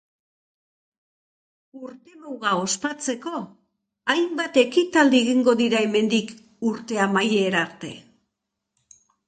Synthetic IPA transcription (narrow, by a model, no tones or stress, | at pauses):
uɾt̪emuɣao̞spat͡se̞ko̞ | ajmbat̪e̞kit̪ald̪ieɣiŋɡo̞ðiɾae̞me̞nd̪ik | uɾt̪e̞amajeɾaɾt̪e̞̰